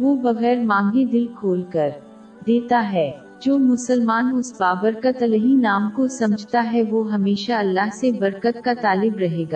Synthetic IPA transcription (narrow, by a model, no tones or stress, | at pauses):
ʋoːbɐɣɛːɾmãːŋ̆ɡed̪ɪlkʰoːlkɐɾ | d̪eːt̪aɦɛ | d͡ʒoːmʊsəlmaːnʊsbaːbəɾkət̪ɐlɐɦĩnaːmkosɐ̃md͡ʒʱt̪aɦɛʋoːɦɐmeːʃaɐlːaɦsebɐɾkət̪kat̪aːlɪbɾɐɦeːɡaː